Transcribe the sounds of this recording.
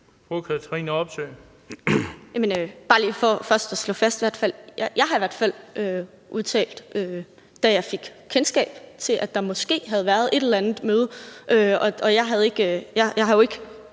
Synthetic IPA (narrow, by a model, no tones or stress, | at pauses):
pokʰæt͡sʰʁiːnɒ̽b̥sø̰ː | jæmenøb̥ɑ̈ːlḭːfɒfɶɐsd̥ɒslɔ̰fæsd̥iʋæɐ̰d̥fæl̰jɑjɑ̈ɪhɑ̈iʋæɐd̥fæl̰ʔø | ʔuðˠt͡sʰɛ̰ːld̥ʔø | d̥æjɑ̈ɪfe̝ɡ̥kʰensɡ̥ɛ̰ːb̥t͡sʰe̝lʔæd̥ɑ̈mɒ̽sɡ̥e̝̰ːɦæð̞̩ˠʋæɐð̞ˠe̝d̥elɐænð̩ˠmøːð̞̩ˠəʔøɒ̽ɒ̽jɑ̈ɪɦæð̞̩ˠe̝ɡ̥øjɑjɑ̈ɪhɑ̈jo̝e̝ɡ̥ə